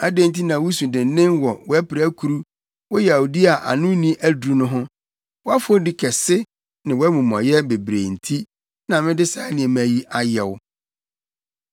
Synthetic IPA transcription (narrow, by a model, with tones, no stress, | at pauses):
a˦de˦n˦t̬ʰi˦nã˨wʊ˦sũ˨dɪ̃˨n˦nɪ̃˦wɔ˨wɔ˦æ˦pɪ˨ɾæ˦kʰu˨ɾu˦ | wɔ˦jɛ˨a˨wu˨di˦a˨ʔa̰˨nʊ̃˦nĩ˦ʔæ˦dɾu˨nʊ̃˦ɦʊ̃˦ | wɔ˦a˦fʊ˦o˦dɪ˦kʰɛ˨sɪ˦ | nɪ̃˨wɔ˦æ˦mũ˨mɔ̰̃˨jɛ˦be˨bɾḛ˨n̩˨tʰi˦ | nã˨mɪ̃˦dɪ˦sa˨˦nɪ̃˨ɛ˨mæ̃˨˦ji˦ʔa˦jɛ˨w